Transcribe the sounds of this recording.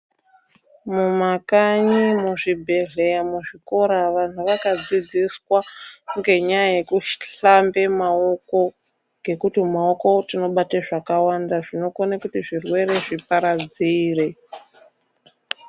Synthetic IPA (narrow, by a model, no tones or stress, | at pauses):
mumakaɲimuʐibʱe̞ɮejamuʐiko̞ɾaʋan̤uʋakad͡zid͡ziswakuŋɡe̞ɲajaje̞kuʃɬambe̞maoko̞ | ɡʱe̞kutimao̞ko̞tino̞ɓateʐakawandaʐino̞konakutiʐirwe̞ɾe̞ʐipaɾad͡ziːre̞